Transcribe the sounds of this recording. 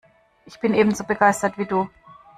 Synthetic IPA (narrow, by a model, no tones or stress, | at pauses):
ʔɪçb̥ɪnʔeːbm̩zoːbəɡaɪstɐtv̥iːduː